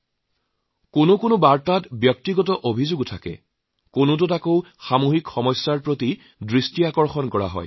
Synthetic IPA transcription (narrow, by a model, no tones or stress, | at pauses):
konʊkʊnʊbaɹtatbjɔk̚tiɡɔtɔʔobʱizʊɡtʰakɛ̰ | konʊt̬ʊtakowxamoɦikxɔmɔsːaɹpɹoti | dɹistiakɔɹxɔnkɔɹa̰ɦɔ̰j